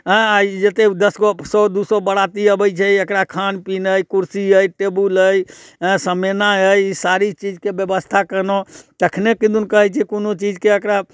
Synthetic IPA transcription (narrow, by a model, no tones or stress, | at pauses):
ɦə̃ad͡ʒet̪ed̪əsɡosɔd̪usobəɽat̪iəbəjt͡ʃʰɛekɾakʰanpinəjkuɾsiəjʈebuləjɦə̃səmenaɦəjsaɾit͡ʃid͡ʒkebjəbəst̪ʰakənot̪əkʰnekid̪unkəɦɛjt͡ʃʰɛkonot͡ʃid͡ʒkeəkɾa